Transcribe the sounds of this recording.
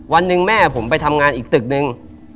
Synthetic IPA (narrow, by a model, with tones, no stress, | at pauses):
wa˧nːɯ˧ŋmɛː˥˩pʰo˩˦mpa˧jt̪ʰa˧mŋaː˧nʔiː˨˩k̚t̪ɯ˨˩k̚nɯ˧ŋ